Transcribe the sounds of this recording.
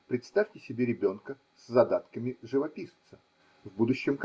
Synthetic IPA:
pɾʲɪt̪st̪afʲtʲɪsʲɪbʲeɾʲɪbʲo̞nkə | szɐd̪at̪kəmʲɪʐɨvɐpʲist̪sə | vbud̪ʊɕːɪmk

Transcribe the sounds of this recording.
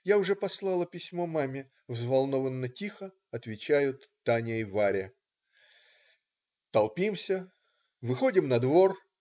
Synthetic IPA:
jaʊʐɛpɐslˠɑlˠəpʲɪsʲmomamʲɪ | vzvɐlˠno̞vənːətʲixə | ɐt̪vʲɪt͡ɕæjʊt̪ːanʲəɪvaɾʲɪ | t̪ɐlˠpʲimsʲə | vɨxo̞dʲɪmnɐd̪vo̞r

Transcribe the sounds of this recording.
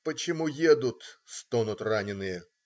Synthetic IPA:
pət͡ɕɪmujed̪ʊt̪st̪onʊt̪ranʲɪnɨjə

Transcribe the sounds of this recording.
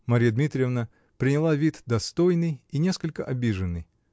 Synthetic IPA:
mɐɾʲijəd̪mʲit̪ɾʲɪjəvnə | pɾʲɪnʲɪlˠavʲit̪d̪ɐst̪ojnɨjinʲe̞skəlʲkəʔɐbʲiʐɨnːɨj

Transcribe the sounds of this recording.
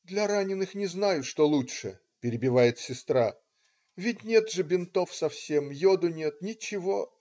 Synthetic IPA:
d̪lʲɐɾanʲɪnɨxnʲɪznajʊʂt̪o̞lˠutʂɨ | pʲɪɾʲɪbʲɪvajɪt̪sʲɪst̪ɾa | vʲɪt̚ʲnʲe̞t̪ʐɨbʲɪnt̪o̞fsɐfsʲemjod̪ʊnʲet̪nʲɪt͡ɕːɪvo

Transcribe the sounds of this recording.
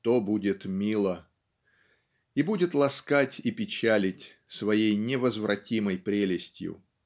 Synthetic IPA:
t̪obudʲɪt̪mʲilˠə | ibudʲɪt̪lˠɐskatʲipʲɪt͡ɕælʲɪtʲ | svɐjejnʲɪvəzvɾɐtʲiməjpɾʲelʲɪsʲtʲjʊ̰

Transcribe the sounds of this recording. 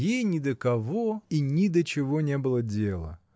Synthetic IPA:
jejnʲɪd̪əkɐvoinʲɪd̪ət͡ɕɪvonʲebɨlˠədʲelˠə̰

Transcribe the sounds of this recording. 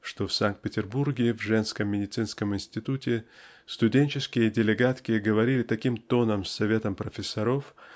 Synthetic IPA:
ʂt̪ofsank̚t̪̚pʲɪtʲɪrburɡʲɪvʐɛnskəmːʲɪdʲɪt̪sɨnskəmɪnʲsʲtʲɪt̪utʲɪ | st̪ʊdʲenʲt͡ɕɪskʲɪjədʲɪlʲɪɡat̪kʲɪɡəvɐɾʲilʲɪt̪ɐkʲimt̪o̞nəmsːɐvʲe̞t̪əmpɾəfʲɪsːɐɾof

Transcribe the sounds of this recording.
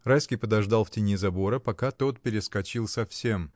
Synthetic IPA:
rajskʲɪjpəd̪ɐʐd̪ɑlˠftʲɪnʲizɐbo̞ɾəpɐkat̪o̞t̪̚pʲɪɾʲɪskɐt͡ɕilˠsɐfsʲe̞m

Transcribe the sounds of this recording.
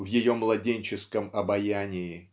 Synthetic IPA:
vjɪjo̞mlˠɐdʲenʲt͡ɕɪskəmɐbɐjænʲɪɪ

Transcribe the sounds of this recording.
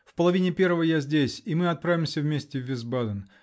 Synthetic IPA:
fpəlˠɐvʲinʲɪpʲe̞rvəvəjazʲdʲesʲimɨɐt̪̚pɾavʲɪmsʲəvmʲesʲtʲɪvʲːɪzbad̪ən

